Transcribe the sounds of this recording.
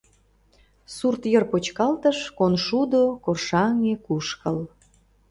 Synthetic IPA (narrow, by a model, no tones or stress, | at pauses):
surt̪jərpot͡ɕkɑlt̪əʃkonʃud̪okorʃɑŋekuʃkəl